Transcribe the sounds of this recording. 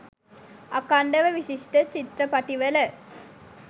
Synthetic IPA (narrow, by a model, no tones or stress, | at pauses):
akaɳɖəʋəʋiʃiʂʈət͡ʃit̪ɾəpaʈiʋələ